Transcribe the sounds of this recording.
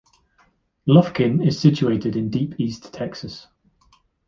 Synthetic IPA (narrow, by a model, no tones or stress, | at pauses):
lʌfkɪ̃nɪz̥sɪt͡ʃueɪtʰɪdɪ̃ndiˑpʰiˑstʰɛksəs